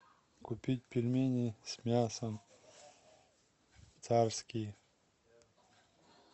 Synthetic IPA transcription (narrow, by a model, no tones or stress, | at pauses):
kʊpʲit̚ʲpʲilʲmʲenʲisʲmʲasəm | t̪sarskʲi